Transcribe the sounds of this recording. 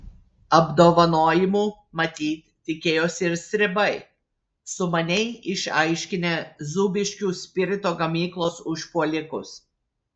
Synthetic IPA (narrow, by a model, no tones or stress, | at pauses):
ɐbd̪oːʋɐnoːjɪmuː | mɐt̪ʲiːt̪ʲt̪ːʲɪkʲeːjoːsʲɪɾsʲɾʲɪbɐɪ | sʊmɐnʲɛɪɪʃɐɪʃʲkʲɪnʲeːzuːbʲɪʃʲkʲuːsʲpʲɪɾʲɪt̪oːɡɐmʲiːklˠoːsʊʃpuɔlʲɪkʊ̰s